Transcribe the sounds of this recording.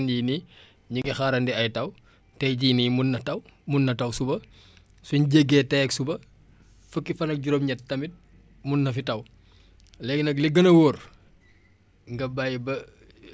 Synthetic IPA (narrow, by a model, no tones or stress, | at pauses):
njini | ɲiŋɡɐxaɾɐndɛɐjtɐw | tɛjɟiːnimunːɐtɐwmunːɐtɐwsubɐ | suɲɟeɡːɛːtɛjɛksubɐ | fəkːifɐnɐk̚ɟuɾomɲɐttːɐmit̚ | munːɐfitɐw | lɛɡnɐkliɡɐnɐwoːr | ŋɡɐbajbɐ